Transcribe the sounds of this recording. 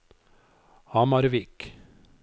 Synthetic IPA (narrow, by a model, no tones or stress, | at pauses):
ɑmɑɾʋɪk